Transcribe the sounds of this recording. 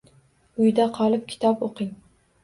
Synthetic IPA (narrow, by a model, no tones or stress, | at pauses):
ʊjd̪aqʰɒlˠɪp̚kʲʰɪ̥t̪ʰɒpoqʰɪŋ